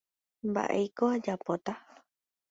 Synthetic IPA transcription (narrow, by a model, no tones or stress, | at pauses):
mba̰ʔe̞̰jkoad͡ʒapot̪a